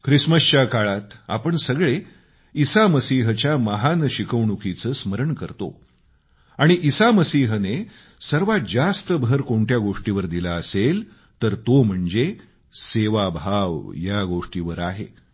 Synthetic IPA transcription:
kʰɾisməst͡ɕakaɭat̪a̰pəɳsəɡɭe | isaməsiːɦət͡ɕjaməɦanɕikəʋɳukit͡səːsməɾəɳkəɾt̪o̰ | aɽ̃iʔisaməsiːɦəne | səɾʋad͡zast̪əbʱəɾkoɳʈjaɡoʂʈiʋəɾd̪ilaəsel | t̪əɾt̪om̤əɳd͡ze | seʋabʱaʋjaɡoʂʈiʋəɾaɦḛ

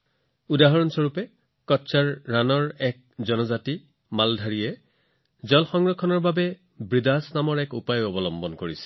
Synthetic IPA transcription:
udaɦɔɹɔnsɔɹupɛ | kɔtsaɹːanɔɹɛk̚zɔnɔzati | maldʱaɹijɛ | zɔlxɔŋɹɔkʰːɔnɔɹbabɛ | bɹidasnamɔɹɛkupajɔbɔlɔmbɔnkoɹisɛ̥

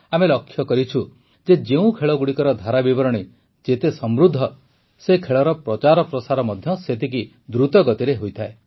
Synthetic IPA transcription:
amelɔkʰːjɔkɔɾit͡ʃʰu | d͡ʒed͡ʒeũkʰeɭɔɡuɽikɔɾɔd̪ʱaɾabibɔɾɔɽ̃i | d͡ʒet̪esɔmɾud̪ʱːɔ | sekʰeɭɔɾɔpɾɔt͡ʃaɾɔpɾɔsaɾɔmɔd̪ʱjɔset̪iki | d̪ɾut̪ɔɡɔt̪iɾeɦojt̪ʰae

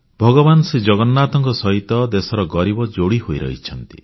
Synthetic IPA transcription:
bʱɔɡɔbanɔsed͡ʒɔɡɔnːaːt̪ɔŋkɔsɔɦit̪ɔd̪esɔɾɔɡɔɾibɔd͡ʒoɽiɦojɾɔ̰ɦit͡ʃʰɔnt̪i̥̰

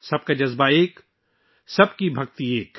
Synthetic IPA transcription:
sɐb̚kad͡ʒɐzbaeːk | sɐbkibʱɐk̚t̪ieːk

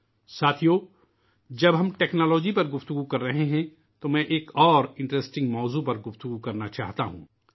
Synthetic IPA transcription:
saːt̪ʰijoː | d͡ʒɐbɦɐmʈeːknɔːlɔːd͡ʒipɐɾɡʊft̪ʊɡukɐɾːɐɦeɦɛ̃ | t̪omɛ̃ʔeːkɔːɾɪ̃ɳʈɾesʈɪ̃ŋɡmɔːzupɐɾɡʊft̪ʊɡukɐɾnat͡ʃa̰ːɦt̪a̰ɦṵ̃ː

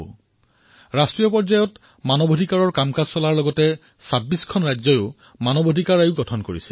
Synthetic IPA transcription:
ɹastɹijɔpɔɹzajɔt | manɔbodʱikaɹɔɹkamkazsɔlaɹlɔɡɔtɛ | sabiskʰɔnɹajzɔjʊ | manɔbʱodʱikaɹajʊɡɔtʰɔnkoɹisɛ̥

